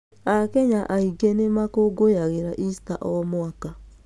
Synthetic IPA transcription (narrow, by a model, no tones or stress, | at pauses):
akɛɲaʔaiɡɛnemakoɡojaɣeɾaʔistaʔɔmwaka